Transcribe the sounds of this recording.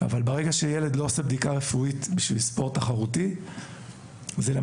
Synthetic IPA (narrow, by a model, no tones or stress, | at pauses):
a̰valbeʁeɡaʃejeledlo̞osebd̪ikaʁefuitbiʃvilspo̞ʁtːaχaʁuti | zela